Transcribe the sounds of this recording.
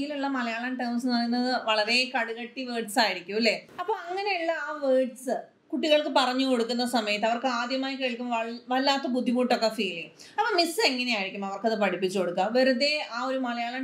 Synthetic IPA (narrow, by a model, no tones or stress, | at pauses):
jiluɭːɐmɐlɐjaːɭɐnʈeːmsnʋɐrinːɐɨʋɐɭɐɾe̞kɐɽuɣɐʈːiʋeːɖsaːjiɾikʲːumlːeɐpːoːɐŋːɐne̞iɭːɐaːʋeːɖsɨ | kuʈːiɣɐɭkɨpɐrɐɲːuko̞ɽukːunːɐsɐmɐjɐt̪ːɨɐʋɐrkɨaːd̪jɐmaːjikeːɭkʲːumɐʋɐlːaːt̪ːɐbud̪ʱːimuːʈːo̞kːefiːliŋɐpːoːmisːeŋːɐnejaːjiɾikʲːumɐʋɐrkɐðɨpɐʈipːit͡ɕːuko̞ɽukːaʋeɾuðeaːo̞ɾumɐlɐjaːɭɐn